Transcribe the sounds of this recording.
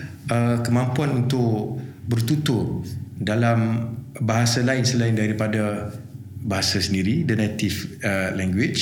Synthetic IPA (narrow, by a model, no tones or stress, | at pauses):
əkəmãmpuanunt̪ʊʔbərt̪ut̪ʊt̚dalambaɦasalaɪnsəlaɪndaɾipada | baɦasasəndiɾidənat̪ifəlɛŋɡwɪt͡ʃ